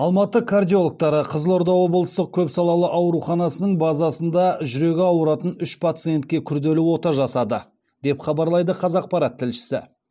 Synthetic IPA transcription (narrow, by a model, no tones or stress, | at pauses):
ɑlˠmɑt̪əkʰard̪ijo̞lˠk̚t̪ɑɾəqʰəzəlˠo̞ɾd̪ɑwo̞blˠəst̪əq̚kʲʰɵpsɑlˠɑlˠəʔɑwɾuχɑnɑsənəɴbɑzɑsənd̪ɑʒʏɾe̞ɡʲɪɑwəɾɑt̪ənʏʃpʰat̪sɨjent̪̚kʲe̞kʲʰʏɾd̪e̞luo̞t̪ɑʒɑsɑd̪ə | d̪̥e̞pχɑbɑɾlˠɑjd̪əqʰɑzɑq̚pɑɾɑt̪ʰːɪlʃɪ̥sɪ̰